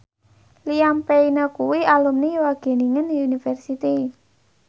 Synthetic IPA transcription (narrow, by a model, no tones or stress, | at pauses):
lijampeinəkuwialumniwaɡ̥e̤niŋənunifɛrsit̪i